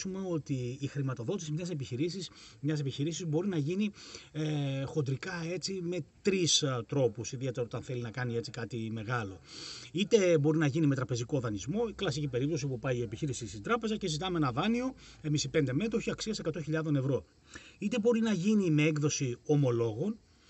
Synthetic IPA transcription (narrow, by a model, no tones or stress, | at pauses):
ume̞o̞t̪iːxɾimɐt̪o̞ðo̞t̪isimɲɐse̞piçiɾisismɲɐse̞piçiɾisizbo̞ɾinɐʝiniexo̞nd̪ɾikɐe̞t͡sime̞t̪ɾist̪ɾo̞pusiðiet̪e̞ɾɐot̪ɐnθe̞linɐkɐnie̞t͡sikɐt̪ime̞ɣɐlo̞it̪e̞bo̞ɾinɐʝinimet̪ɾɐpe̞ziko̞ðɐnizmo̞iklɐsicipe̞ɾip̚t̪osipupɐiie̞piçiɾisist̪ind̪ɾɐpe̞zɐce̞zit̪ɐmeenɐðɐnio̞ | emisipe̞nd̪eme̞t̪oçiɐksiɐse̞kɐt̪o̞çiʎɐðo̞ne̞vɾo̞ | it̪e̞bo̞ɾinɐʝinime̞eɡðo̞sio̞mo̞lo̞ɣo̞n